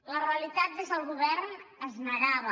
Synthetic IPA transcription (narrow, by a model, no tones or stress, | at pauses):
ləreəlit̪at̪̚d̪ezəlˠɣuβɛɾnəznəɾaβə